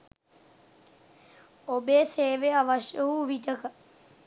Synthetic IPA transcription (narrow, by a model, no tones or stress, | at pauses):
obeːseːʋeɐʋəʃjəɦuːʋiʈəkə